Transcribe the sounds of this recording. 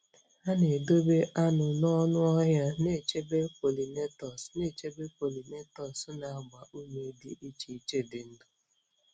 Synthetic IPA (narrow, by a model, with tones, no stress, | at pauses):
a˦ne˨do˦be˦ʔa˦nʊ˨nɔ˦nʊ˦ɔ˦ɦja˦ne˦˨t͡ʃe˦be˦po˨li˨ne˦tɔ˨sne˦˨t͡ʃe˦be˦po˨li˨ne˦tɔ˨sna˨a˦˨ɡ͡ba˨ʔu˦me˦di˦ʔi˦t͡ʃi˨i˦t͡ʃe˦dɪ˨n̩˦dʊ˦